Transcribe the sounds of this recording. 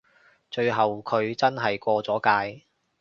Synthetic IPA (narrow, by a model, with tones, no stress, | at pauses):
t͡ʃɵ˧ɥɦɐ˨wkʰɵ˨˧ɥt͡sɐ˥nɦɐ˨jkʷɔː˧t͡sɔː˨˥kaː˧j